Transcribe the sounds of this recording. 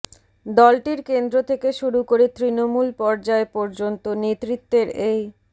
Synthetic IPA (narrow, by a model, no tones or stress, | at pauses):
d̪ɔlʈiɾkend̪ɾot̪ʰekeʃuɾukoɾet̪ɾinomulpɔɾd͡ʑaepɔɾd͡ʑont̪onet̪ɾit̪ːeɾej